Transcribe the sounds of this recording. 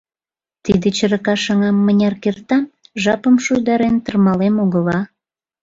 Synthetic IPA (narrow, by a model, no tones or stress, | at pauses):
t̪id̪et͡ɕəɾəkɑʃɑŋɑmːənʲɑrkert̪ɑmʒɑpəmʃujd̪ɑɾent̪ərmɑlemoɣəlɑ